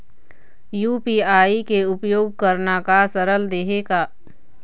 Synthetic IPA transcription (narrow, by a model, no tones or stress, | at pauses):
juːpiaːikeʊpjoːɡ̚kəɾnakasəɾəld̪eːɦeɡaː